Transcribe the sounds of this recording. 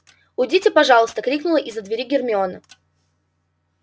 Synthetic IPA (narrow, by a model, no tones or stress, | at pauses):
ʊdʲitʲɪpɐʐɑlˠəst̪əkɾʲiknʊlˠəʔɪzːəd̪vʲɪɾʲiɡʲɪrmʲɪonə